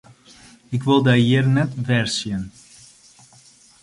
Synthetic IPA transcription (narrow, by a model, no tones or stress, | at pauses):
ɪkʋɪlˠdɛjɪərnɛtʋɛrsjən